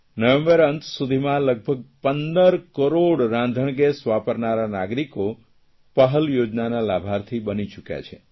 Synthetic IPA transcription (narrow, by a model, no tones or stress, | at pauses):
nəʋẽmbəɾənt̪sud̪ʱimãləɡ̚bʱəɡ̚pənd̪əɾkəɾoɽɾãnd̪ʱəɳ̃ɡesʋapəɾnaɾanaɡɾiko | pəɦəljod͡ʒnanalabʱaɾt̪ʰibənit͡ʃukja̰t͡ʃʰe